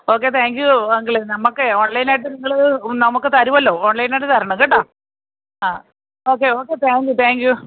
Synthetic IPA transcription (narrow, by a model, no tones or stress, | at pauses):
o̞ːkːe̞t̪ʰaːŋkjuɐŋɡiɭenɐmːɐkːeoːɳlɐjnaːjʈ̬ːɨniŋːɐɭnɐmukːɨt̪ɐɾuʋɐlːo̞ːoːɳlɐjnajʈːɨt̪ɐɾɐɳɐ̃mkeʈːaː | aː | oːkːe̞o̞ːkːet̪ʰaːŋkjut̪ʰaːŋkju